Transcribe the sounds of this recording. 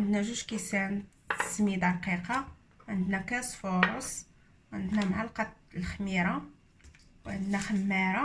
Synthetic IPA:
ʕənd̪næʒuʃkisæn | t̪ə̥smid̪ɑɾˤqiqɑ | ʕənd̪nækæsfoɾˤs | ʕənd̪næmʕalqɑlxəmiɾˤɑ | wʕənd̪næxəmːæɾɑ

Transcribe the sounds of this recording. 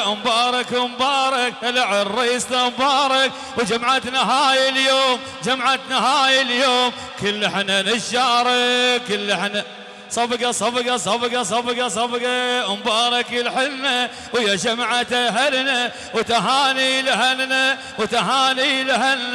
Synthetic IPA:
mbɑːɾˤɑkwmbɑːɾˤɑkalaʕɪrˤːɑsnambɑːɾˤɑk | wd͡ʒamʕat̪naɦaːjɪljoːm | d͡ʒamʕat̪naɦaːjɪljoːm | kɪlːɪħnanɪʃːɑːɾˤɑkɪlːɪħna | sˤɑbɡɑsˤɑbɡɑsˤɑbɡɑs̬ˤɑbɡɑs̬ˤɑbɡɑmbɑːɾˤɑkɪlħɪlna | wjad͡ʒamʕat̪aɦalna | wt̪aɦaːnilɪhalna | wt̪aɦaːnilɪhaln

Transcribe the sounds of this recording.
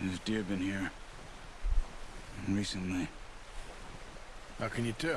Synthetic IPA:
ɨzdɪɹbɨ̃nhiɹ | ɹisɨ̃nli | haʊkɨ̃njɨtʰɛ

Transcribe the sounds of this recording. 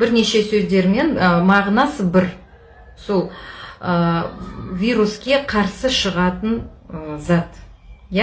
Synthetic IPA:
b̥ɪɾne̞ʃe̞sɵzd̪e̞ɾme̞nmɑʁnɑsəbɪɾ | so̞lˠə | vʲijɾuskʲeqʰɑɾsəʃəʁɑt̪ənzɑt̪ja

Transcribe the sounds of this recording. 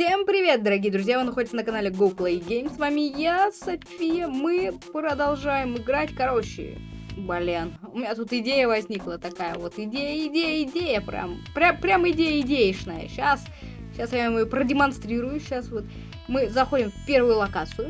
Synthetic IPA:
fsʲe̞mpɾʲɪvʲe̞t̪̚d̪əɾɐɡʲijəd̪ɾʊzʲjavɨnɐxo̞dʲɪt̪sənəkɐnalʲɪɡoplˠejɡʲejmsvamʲɪjasɐfʲfʲijəmɨpɾəd̪ɐlˠʐajɪmɪɡɾatʲkɐɾo̞ɕːɪ̰bɐlʲenʊmʲɪnʲat̪ut̪ɪdʲejəvɐzʲnʲiklˠət̪ɐkajəvo̞t̪ɪdʲejəɪdʲejəɪdʲejəpɾʲa̰mpɾʲapɾʲamɪdʲejəɪdʲejɪʂnajə̰ɕas | ɕasjamɐjopɾədʲɪmɐnst̪ɾʲiɾʊjʊɕːasvot̪ | mɨzɐxo̞dʲɪmfʲpʲe̞rvʊjʊlˠɐkat̪sɨjʊ

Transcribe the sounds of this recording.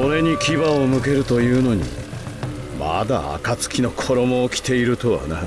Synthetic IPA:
o̞ɾe̞ɲ̟ikʲiβaomɯ̟ke̞ɾɯ̟t̪o̞jɯ̟ːno̞ɲ̟ḭ | ma̰d̪a̰a̰kat͡sɨ̥kʲino̞kʰo̞ɾo̞mo̞ːkʲi̥t̪e̞iɾɯ̟t̪o̞βa̰na

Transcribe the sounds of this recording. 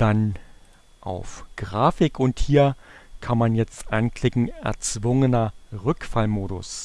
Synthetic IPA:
d̥an | ʔa̰ʊfɡ̥ʁaːfɪkʊnthiːɐkʰanmanjɛt͡stʔa̰nklɪkŋ̩ɛ̰ɐt͡sv̥ʊŋənɐʁʏkfalmoːɾʊ̰s

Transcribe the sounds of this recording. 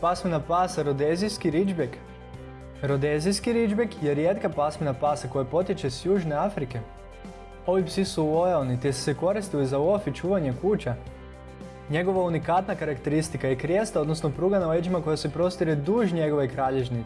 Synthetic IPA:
pasminapasaɾod̪eziskiɾid͡ʒbek | ɾod̪ezijskiɾid͡ʒbekjeɾjet̪kapasminapaːsako̞japo̞t̪jet͡ʃe̞sjuːʒne̞afɾike̞ | o̞ʋipsisuoelnit̪esu̥seko̞ɾist̪ilizauofit͡ʃuːʋaɲe̞kuːt͡ɕa | ɲe̞ɡo̞ʋaunikat̪nakaɾakt̪e̞ɾist̪ikajekɾjest̪ao̞d̪nosno̞pɾuːɡanaled͡ʒimako̞jase̞pɾo̞st̪iɾed̪uːʒɲe̞ɡo̞ʋekɾaːʎeʒni

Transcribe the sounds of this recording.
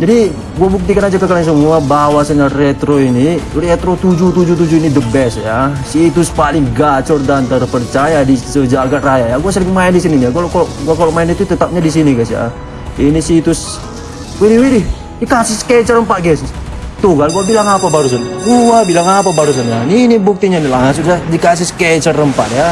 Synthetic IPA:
d͡ʒadi | ɡuabuk̚t̪ikanad͡ʒakəkalaɲs̬əmuabawasaɲarɛt̪ɾoinirɛt̪ɾɔt̪ud͡ʒut̪ud͡ʒut̪̬ud͡ʒuinidəbɛsjasit̪ʊspalɪŋɡat͡ʃɔrdant̪aɾapərt͡ʃajadisəd͡ʒaɡaʔrajajaɡuasəɾiŋmaɛndisininijaɡualʔkɔlɡuakɔlɔʔmaɛnit̪ut̪ət̪ap̚ɲadis̬iniɡasja̰ | inisit̪ʊs | widiwidi | dikasɪskɛt͡ʃərəmpaʔɡɛst̪uɡalɡuabilaŋapabaɾusanɡuabilaŋapabaɾus̬anjaninibuk̚t̪iɲanilaŋas̬udadikas̬ɪskɛt͡ʃərəmpaʔja

